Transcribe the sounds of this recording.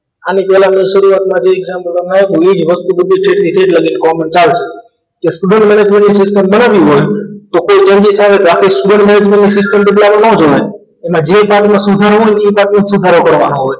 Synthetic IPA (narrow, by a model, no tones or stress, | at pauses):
anipɛlãmẽsəɾuʋat̪mãd͡ʒeɪɡzãmpəlt̪əmaɦeuĩːd͡ʒʋəst̪ubəd̪ʱːikʰeːʈt̪ʰikʰeʈləɡinkɔmənt͡ʃalt͡ʃʰe | kesʈuɖə̃ɳʈmɛned͡ʒmẽɳʈnisɪsʈəmbənaʋiɦojt̪okoit͡ʃə̃nd͡ʒisaʋet̪akʰeisʈuɖə̃ɳʈmɛned͡ʒmẽɳʈnisɪsʈəmbəd̪laʋãnod͡ʒoe | emãd͡ʒepãʈmãsʊd̪ʱaɾoɦoinipãʈmẽd͡ʒsud̪ʱaɾokəɾʋa̰noɦoːj